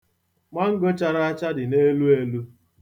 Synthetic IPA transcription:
ma˦ŋ̩˦ɡo˦t͡ʃa˨ɾa˦a˦t͡ʃa˦dɪ˨ne˦lu˦e˦lu˦

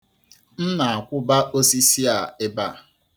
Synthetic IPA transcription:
n̩˦na˨a˨kʷʊ˦ba˦ʔo˦si˦si˦a˨ɪ˦ba˦˨

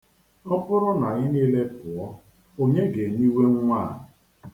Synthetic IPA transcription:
ɔ˦pʊ˦ɾʊ˦na˨ɣɪ˦niː˦le˦pʊ˨ɔ˦ | o˦ɲe˦ɡe˨ɲi˦we˦ŋ̩˦ŋʷa˦˨

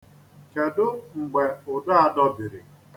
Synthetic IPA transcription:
ke˨dʊ˦ŋ͡m̩˨ɡ͡be˨ʊ˨da˦a˦dɔ˦bi˨ɾḭ˨

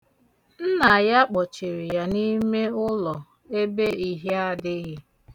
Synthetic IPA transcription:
n̩˦na˨ja˦k͡pɔ˨t͡ʃe˨ɾi˨ja˨ni˦me˦ʊ˦lɔ˨ | e˦be˦i˨ɦi˦a˦dɪ˦ɣɪ˦

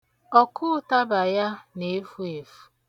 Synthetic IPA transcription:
ɔ˦kʊ˦ʊ˦ta˦ba˨ja˦ne˨˦fu˦e˨fu̥˨˦

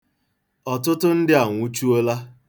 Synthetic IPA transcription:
ɔ˨tʊ˦tʊ˦n̩˦dɪ˦a˨ŋʷu˦t͡ʃu˦o˦la˦

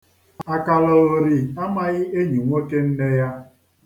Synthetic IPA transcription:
a˨ka˨lɔ˨ɾi˨a˦ma˦˨ɣɪ˦e˦ɲi˨ŋʷo˦ke˦n̩˦ne˦ja˦

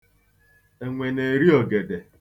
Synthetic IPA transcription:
e˨ŋʷe˨ne˨ɾi˦o˨ɡe˨de˨

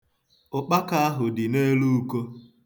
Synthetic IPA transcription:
ʊ˨k͡pa˦ka˦a˦ɦʊ˨dɪ˨ne˦lu˦u˦ko˦

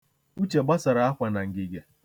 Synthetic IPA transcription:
u˦t͡ʃe˨ɡ͡ba˦sa˨ɾa˨˦a˦kʷa˨na˨ŋ̩˨ɡɪ˨ɡe˨

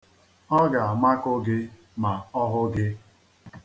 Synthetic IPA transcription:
ɔ˦ɡa˨a˨ma˦kʊ˦ɡɪ˦ | ma˨ɔ˦ɦʊ˦ɡɪ˦

